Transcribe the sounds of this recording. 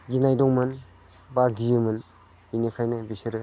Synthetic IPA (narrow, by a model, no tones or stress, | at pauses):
ɡinajdɔŋmɯn | baɡijɯmɯn | inikʰajnɯbisiɾɯ